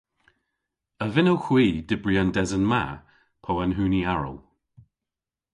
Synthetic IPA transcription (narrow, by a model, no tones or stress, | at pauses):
əvɪnəwxwiːdɪbɹiandɛzənma̰ | pʰowanɦuːniaɹə̰lˠ